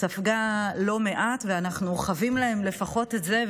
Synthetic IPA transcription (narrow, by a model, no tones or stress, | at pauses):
tafɡalo̞me̞ʔatveanaχnuχavimlae̞mle̞faχo̞te̞tze